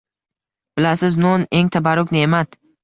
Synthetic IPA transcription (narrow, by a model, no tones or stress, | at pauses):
b̥ɪlasɪznone̞ŋt̪ʰabaɾʊkʲnɪemat̪